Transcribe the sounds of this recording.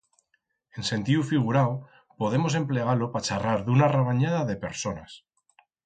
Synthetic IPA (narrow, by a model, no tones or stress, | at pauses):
e̞nse̞nt̪iufiɣ̞uɾao | po̞ð̞e̞mo̞se̞mple̞ɣ̞alo̞pat͡ʃaraɾðunareβ̞aɲað̞aðe̞pe̞ɾso̞nas